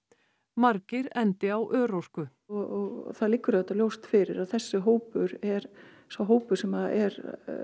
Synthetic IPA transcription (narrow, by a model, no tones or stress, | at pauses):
maɾcɪɾɛnt̪ɪawʔœːɾowskʏ | ɣɔɣθaðlɪkːʏɾðɛt̪ːaljowst̪fɪɾɪɾaðθɛsːɪɦoːwpʏɾɛɾ | svawɦoːwpʏɾ̥sɛmaðɛɾ